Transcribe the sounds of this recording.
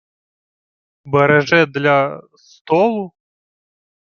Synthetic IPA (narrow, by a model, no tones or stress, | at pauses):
bɐɾaʐɛd̪lʲɐ | st̪ɔlˠu